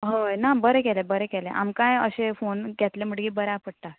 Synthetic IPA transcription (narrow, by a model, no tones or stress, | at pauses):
ɦəjnabəɾekɛlebəɾekɛleʔa̰mkajə̰ɕefonɡʱɛt̪lem̤əɽɡiːbəɾɛapəɽt̪at̪